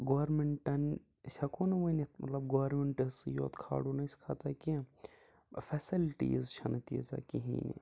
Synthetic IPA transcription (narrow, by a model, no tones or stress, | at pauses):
ɡoʋɐɾmeɳʈɐn | sʲɐkʰonɐʋɐnimɐ̰t̪lɐb̚ɡoʋɐɾmeɳʈɐsɨjo̰ːt̪kʰa̰ːɽunɐsʲkʰaːt̪aki | fɛsilʈḭzt͡ʃʰɐnɐt̪ḭːzɐ̰kiɦḭ̃ːnḭ